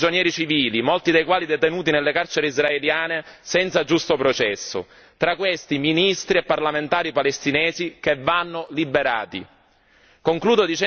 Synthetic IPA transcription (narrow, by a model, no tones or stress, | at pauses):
d͡ʒonjɛːɾit͡ʃiviːlimolt̪id̪ejkwaːlid̪et̪enuːt̪̬inelːekart͡ʃeɾeizraeljaːnesɛnt̪sad͡ʒust̪opɾot͡ʃɛsːo̰ | t̪ɾakːwest̪iminist̪ɾiepːarlament̪aːɾipalest̪inɛːzikevːanːolibeɾa̰ːt̪ḭ | koŋkluːd̪od̪it͡ʃɛ